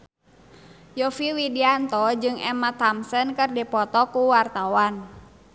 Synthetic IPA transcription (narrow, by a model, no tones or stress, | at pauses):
jɔfiwidiant̪ɔd͡ʒɨŋɛmat̪amsənkɨrdipɔt̪ɔkuwart̪awan